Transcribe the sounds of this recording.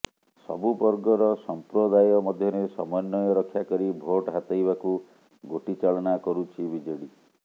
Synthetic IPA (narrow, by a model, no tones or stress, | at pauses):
sɔ̰bupɔɾɡɔɾɔsɔmpɾɔd̪ajɔmɔd̪ʱjɔɾesɔ̰mɔjɔnːɔjɔɾɔkʰːjakɔɾibʱoʈɦat̪ajbaku | ɡoʈit͡ʃaɭɔnakɔɾut͡ʃʰibid͡ʒɔɽi